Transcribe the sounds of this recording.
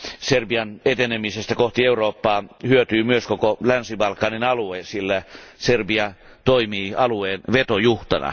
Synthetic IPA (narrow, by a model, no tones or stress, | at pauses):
serbiɑnet̪enemisest̪ækoht̪ieuroːpːɑːhyøt̪yːmyøskokolænsibɑlkːˑɑninɑluesilːæserbiɑ | t̪oimiːɑlueːnʋet̪ojuht̪ɑnɑ̰